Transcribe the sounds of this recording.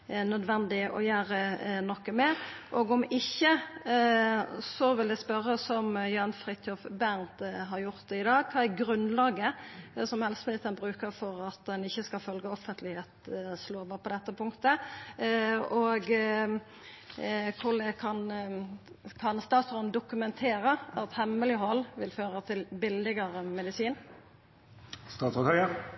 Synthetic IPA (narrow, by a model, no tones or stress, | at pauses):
nœd̪ʋɛnd̪ɪʔɔ̰jæːɾənɔkːəmɛʔɔɡɔmɪçːə | sɔʋɪld̪ɛspœʁːəsɔmjøɑnfʁɪt̪ʰɔfbænt̪ɦɑɾjʊɾt̪̚ɪd̪ɑːɡ̚kʰɑːæɾɡɾʉnlɑːɡəsɔmhɛlsəmɪlɪt̪ːənbʁʉːkəɾfɔɾɑt̪d̪ɛnɪçːəskɑlfœlɡəɔfːənt̪lɪheːt̪sloːbɑːpʰɔd̪ɛt̪ːəpʰʊŋkt̪ə | ɔɡ | kʰʊlɛkʰɑn | kʰɑnst̪ɑːt̪sʁɔnd̪ʊkʉmɛnt̪ʰeːɾəɑt̪hɛmːəlɪhɔlːʋɪlføːɾət̪ʰɪlbɪlːɪɡəɾəmɛd̪ɪsiːn | st̪ɑːt̪sɔt̪hœʏə